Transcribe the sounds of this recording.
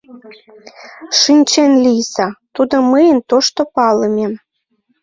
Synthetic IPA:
ʃinʲt͡ɕenlijsɑt̪ud̪oməjənt̪oʃt̪opɑləmʲem

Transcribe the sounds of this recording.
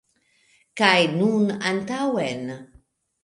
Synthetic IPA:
kajnunantawen

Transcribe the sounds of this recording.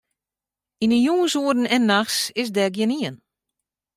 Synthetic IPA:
inəjuːnsuədn̩ɛnːaxsɪsdɛɡjɪniən

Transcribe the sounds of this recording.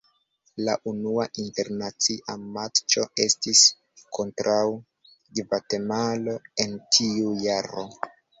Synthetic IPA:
la̰ʔunuaʔinte̞ɾnat͡siʔamaɾt͡ʃo̞e̞stis | kʰo̞ntɾaw | ɡvate̞malo̞e̞ntʰiujaɾo̞

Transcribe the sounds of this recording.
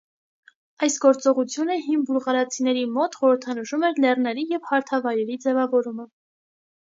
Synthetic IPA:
ɑjsɡɔɾt͡sɔʁut͡sʰjunəɦimbuɾʁɑɾɑt͡sʰinɛɾimɔt̪χɔɾəɾt̪ʰɑnəʃumɛɾlɛrnɛɾijɛvhɑɾt̪ʰɑvɑjɾɛɾid͡zɛvɑvɔɾumə

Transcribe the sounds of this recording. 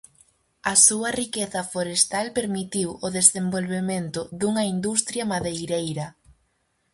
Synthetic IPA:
ɐsuɐrikeθɐfoɾest̪alpeɾmit̪iwoðesðembolβement̪ʊðuŋɐind̪ust̪ɾjɐmaðejɾejɾɐ

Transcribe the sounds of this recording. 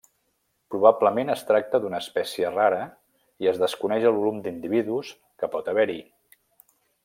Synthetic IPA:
pɾuβabləmenəst̪ɾak̚t̪əd̪unəːspɛsiəraɾə | iəzðəskunɛʒəlˠβulumd̪ind̪iβiðus | kəpɔt̪əβɛɾi

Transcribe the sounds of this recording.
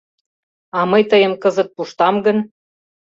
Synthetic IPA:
ɑmɤjt̪əjəmkɤzə̆t̪̚puʃt̪ɑmɡən

